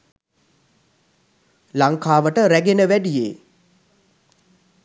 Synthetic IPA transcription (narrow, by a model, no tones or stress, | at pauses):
laŋkaːʋəʈəɾæɡenəʋæɖijeː